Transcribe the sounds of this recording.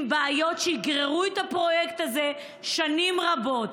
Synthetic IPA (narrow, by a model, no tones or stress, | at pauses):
baajo̞tʃejiɡʁeʁuet̪apʁo̞jekt̪aze | ʃanimʁabo̞t